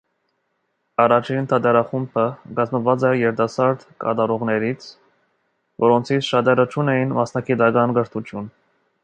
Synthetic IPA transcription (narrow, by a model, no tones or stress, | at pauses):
ɑrɑt͡ʃʰint̪ʰɑt̪ɛɾɑχumpʰəɡɑzməvɑt͡sɛjɛɾt̪ɑsɑɾd̪kɑ̰t̪ɑɾɔʁnɛɾit͡sʰ | vɔɾɔnt͡sʰit͡sʰʃɑt̪ɛɾət͡ʃʰunɛjinmɑsnɑɡit̪ɑkɑnɡəɾt̪ʰut̪ʰjun